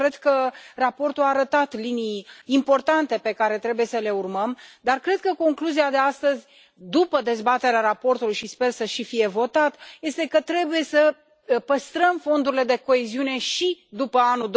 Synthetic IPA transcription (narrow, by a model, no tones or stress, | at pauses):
ɾe̞d̪kərapo̞rt̪uaːɾət̪at̪linijimpo̞rt̪ant̪e̞pe̞kaɾe̞t̪ɾe̞buje̞səle̞urməmd̪arkɾe̞d̪̚kəko̞ŋkluziad̪e̞ast̪əzʲ | d̪upəd̪e̞zbat̪e̞ɾeaɾapo̞rt̪ulujʃispe̞rsəʃifije̞vo̞t̪at̪je̞st̪e̞kət̪ɾe̞buje̞sə | pəst̪ɾəmfo̞nd̪uɾile̞d̪e̞ko̞eziune̞ʃid̪upəanud̪